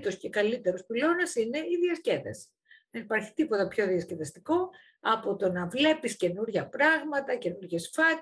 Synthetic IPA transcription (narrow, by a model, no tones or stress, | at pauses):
t̪o̞scekɐlit̪e̞ɾospilo̞nɐsine̞iðiɐsce̞ðḛs | ðe̞nipɐɾçi̥t̪ipo̞t̪ɐpço̞ðiɐsceðɐst̪iko̞ | ɐpo̞t̪o̞nɐvle̞pisce̞nuɾʝɐpɾɐɣmɐt̪ɐce̞nuɾʝe̞sfɐt̪